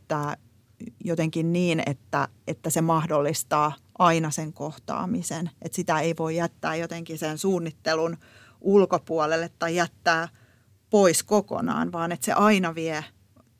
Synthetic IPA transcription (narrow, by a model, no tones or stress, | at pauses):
t̪ːæː | jot̪eŋkinniːnḛt̪ːæet̪ːæsemɑhdolːist̪ɑːʔɑinɑseŋkoht̪ɑ̰ːmisenet̪sit̪æeiʋoijæt̪ːæːjot̪eŋkisensuːnːit̪ːelun | ʔulkopuɑlelːet̪ːɑijæt̪ːæː | poiskoko̰nɑ̰ːnʋɑːnet̪sḛʔɑinɑʋie